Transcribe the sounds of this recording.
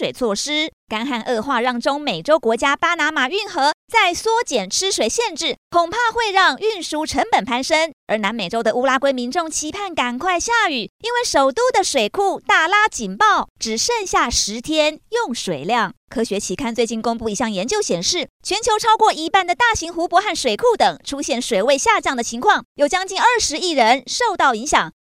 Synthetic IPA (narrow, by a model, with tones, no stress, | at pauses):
we˨˩t͡sʰwɔ˥˩ʂɻ̩˥ka˥nxa˥˧nʔɤ˥˧xwa˥˧ɻɑ˥˩ŋʈ͡ʂʊ˥ŋme˨˩ɪʈ͡ʂo˥ʊkwɔ˧˥t͡ɕja˥pa˥na˧˥ma˨˩y˥˩nxɤ˧˥t͡sa˥˩ɪswɔ˥t͡ɕjɛ˨˩nʈ͡ʂʰɻ̩˥ʂwe˨˩ɪɕjɛ˥˧nʈ͡ʂɻ̩˥˩kʰʊ˨˩ŋpʰa˥˧xwe˥˧ɪɻɑ˥˧ŋy˥˧nʂu˧˥ʈ͡ʂʰə˧˥ŋpə˨˩npʰa˥nʂə˥ŋə˞˧˥na˧˥nme˨˩ʈ͡ʂo˥ʊd̪ə˨u˥la˥kwe˥ɪmi˧˥nʈ͡ʂʊ˥˩ŋt͡ɕʰi˧˥pʰa˥˩nka˨˩nkʰwa˥˧ɪɕja˥˩y˨˩i˥nwe˥˩ɪʂo˨˩ʊt̪u˥˩d̪ə˨˩ʂwe˨˩ɪkʰu˥˧t̪a˥˩la˥t͡ɕi˨˩npɑ˥˩ʊʈ͡ʂɻ̩˨˩ʂə˥˧ŋɕja˥˩ʂɻ̩˧˥t̪ʰjɛ˥njʊ˥˩ŋʂwe˨˩ɪljɑ˥˩ŋkʰɤ˥ɕɥɛ˧˥t͡ɕʰi˧˥kʰa˥˧nt͡swe˥˧ɪt͡ɕi˥˩nkʊ˥ŋpu˥˩i˧˥ɕjɑ˥˩ŋjɛ˧˥nt͡ɕjo˥˩ʊɕjɛ˨˩nʂɻ̩˥˩t͡ɕʰɥɛ˧˥nt͡ɕʰjo˧˥ʊʈ͡ʂʰɑ˥ʊkwɔ˥˩i˧˥pa˥˩nd̪ə˩t̪a˥˩ɕi˧˥ŋxu˧˥pwɔ˧˥xa˥˩nʂwe˨˩ɪkʰu˥˩t̪ɤ˨˩ŋʈ͡ʂʰu˥ɕjɛ˥˩nʂwe˨˩ɪwe˥˧ɪɕja˥˧t͡ɕjɑ˥˩ŋd̪ə˩t͡ɕʰi˧˥ŋkʰwɑ˥˩ŋjo˨˩ʊt͡ɕjɑ˥ŋt͡ɕi˥˩nə˞˥˧ʂɻ̩˧˥i˥˩ɻə˧˥nʂo˥˧ʊt̪ɑ˥˩ʊi˧˥ŋɕjɑ˨˩˦ŋ